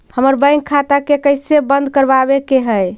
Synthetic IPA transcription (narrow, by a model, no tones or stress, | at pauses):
həməɾbə̃ŋkʰːat̪akekəɪsebənd̪ʱkəɾbabekeɦəj